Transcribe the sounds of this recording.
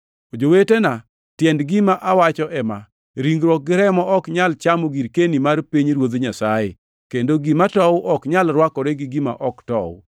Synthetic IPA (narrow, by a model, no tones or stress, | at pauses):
od͡ʒowetena | tjɛndɡɪmaʔawat͡ʃɔʔɛma̰ | ɾiŋɡɾwɔk̚ɡɪɾɛmɔʔɔkɲalt͡ʃamoɡiɾkenimarpiɲɾwod̪ɲasajḛ | kendoɡimatɔwʔɔkɲalɾwakɔɾeɡɪɡima̰ʔɔktɔ̰w